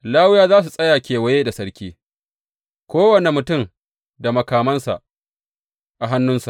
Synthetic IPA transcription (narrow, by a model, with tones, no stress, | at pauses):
laː˦wʊ˦jaː˦zaː˦s̬u˨sʼɐ˦jaː˨kʲeː˨wɐ˦jeː˦da˨sɐ˦ɽkʲiː˦ | kʷoː˦wɐ˨ne˨mʊ˨tʊ˦˨m | da˨mɐ˨kaː˨mɐ˦nsa̰˨ʔ | ʔa˨ɦa˦nːʊ˦nsa˨ʔ